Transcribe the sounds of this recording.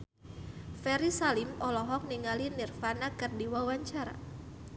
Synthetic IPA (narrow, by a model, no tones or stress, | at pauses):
fɛɾisalimɔlɔɦɔk̚niŋalinirfanakɨrdiwawaɲt͡ʃaɾa̰